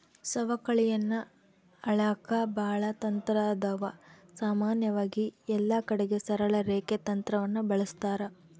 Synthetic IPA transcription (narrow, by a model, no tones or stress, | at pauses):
sɐʋɐkɐɭijɐnːɐ | ɐɭaːkʰabaːɭɐt̪ɐnt̪ɾaːd̪ɐʋɐsaːmaːnjɐʋaːɡiɛlːɐkɐɽeɡe̞sɐɾɐɭɐɾeːket̪ɐnt̪ɾɐʋɐnːubɐɭɐst̪aːɾɐ